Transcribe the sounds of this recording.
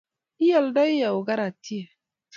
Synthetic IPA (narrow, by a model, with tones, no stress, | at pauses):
i˦ja˨lda˦i˦ja˨u˨ɡa˦ɾa˨ti˦e˨